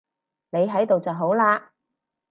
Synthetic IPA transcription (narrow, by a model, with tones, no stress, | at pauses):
ne˨˧jɦɐ˨˥jt̪o˨wt͡sɐ˨wɦo˨˥wlaː˧